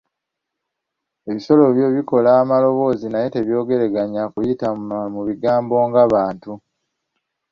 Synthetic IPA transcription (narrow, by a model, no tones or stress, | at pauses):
e̞βiso̞lo̞βje̞βiko̞laːmalo̞βo̞ːzinaje̞te̞βjo̞ːɡe̞ɾeɡaɲakujitamuβiɡaːmbo̞ːŋɡaβaːntu